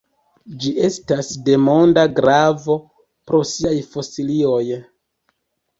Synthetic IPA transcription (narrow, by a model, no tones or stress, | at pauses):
d͡ʒiʔe̞stasde̞mo̞ndaɡɾavo̞ | pɾo̞siajfo̞silio̞j